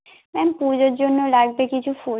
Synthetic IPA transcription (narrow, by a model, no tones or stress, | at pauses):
mɛmpud͡ʑoɾd͡ʑonːolaɡ̚bekit͡ɕʰufu